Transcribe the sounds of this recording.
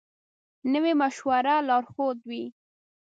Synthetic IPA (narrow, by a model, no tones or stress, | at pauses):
nəwemaʃwaɾalɑɾxod̪wi